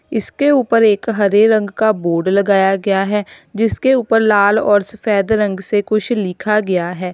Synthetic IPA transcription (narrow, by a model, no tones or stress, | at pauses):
ɪskeuːpəɾeːkɦɐɾeɾɐ̃ŋɡkaboːɾɖlɐɡaːjaɡɐjaɦɛd͡ʒɪskeuːpəɾlaːlɔːɾsʊfʰɛːd̪ɾɐ̃ŋɡsekʊt͡ʃʰlɪkʰaɡɐjaɦɛː